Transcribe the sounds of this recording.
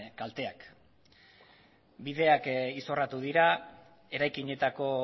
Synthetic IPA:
kalt̪e̞ak | bið̞e̞akiso̞rat̪uðiɾa | e̞ɾajkiɲe̞t̪ako̞

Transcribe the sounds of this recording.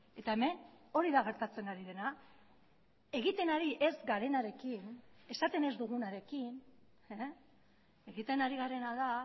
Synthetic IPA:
e̞t̪ae̞me̞no̞ɾiðaɣ̞e̞ɾt̪at͡se̞naɾiðe̞na | e̞ɣ̞it̪e̞naɾiʔe̞zɡaɾe̞naɾe̞kine̞sat̪e̞ne̞zd̪uɣ̞unaɾe̞kin | e | e̞ɣit̪e̞naɾiɣaɾe̞naða

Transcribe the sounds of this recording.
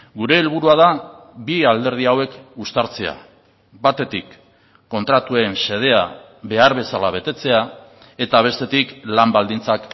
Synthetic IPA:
ɡuɾe̞ːlβ̞uɾuað̞a | biald̪e̞ɾð̞iawe̞kust̪aɾt͡se̞a̰ | bat̪e̞t̪ikː | o̞nt̪ɾat̪uense̞ð̞e̞a | βe̞aɾβe̞salaβ̞e̞t̪e̞t͡se̞a | e̞t̪aβ̞e̞st̪e̞t̪iklambald̪int͡sak

